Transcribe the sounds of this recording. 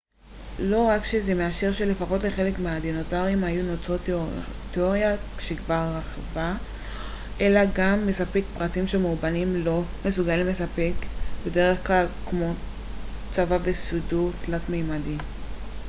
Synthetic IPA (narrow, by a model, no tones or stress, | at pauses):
lo̞ʁakʃezemeaʃeʁʃelefaχo̞tleχe̞lekmeadenot͡saʁimhajunot͡sotteoʁjaʃekvaʁːaχva | ʔe̞laɡamːe̞sapekpʁatimʃemubanimlo̞me̞suɡalimlesape̞kbe̞de̞ʁe̞χklalkmo̞ | t͡savave̞sudutlatmejmadim